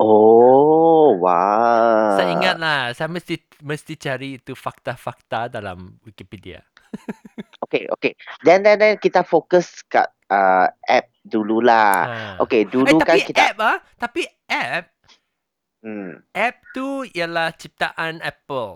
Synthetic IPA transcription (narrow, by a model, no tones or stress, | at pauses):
ʔo | wa | sajiŋat̪̚lahsajamə̃st̪i | mə̃st̪it͡ʃaɾiːt̪ufak̚t̪afak̚t̪adalã̰mwikipidia̰ | okeʔo̰kedɛ̃ndɛ̃ndɛ̃nkit̪afokəska̰t̚əʔɛ̰p̚dululaaʔo̰keduaut̪akãikit̪ap̚at̪api | ʔɛp̚ | ʔɛp̚t̪uialaht͡ʃip̚t̪aʔãnɛpəl